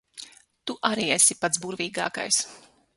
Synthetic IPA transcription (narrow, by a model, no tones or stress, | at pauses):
t̪uʔaɾiːesʲipat̪sbuɾviːɡa̰ːka̰js